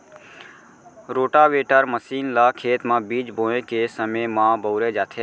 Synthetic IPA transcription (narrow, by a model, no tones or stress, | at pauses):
ɾoːʈaʋeːʈəɾməsiːnlaːkʰeːt̪mãbiːd͡ʒbõːẽkesəmẽmãːbəʊɾed͡ʒaːt̪ʰe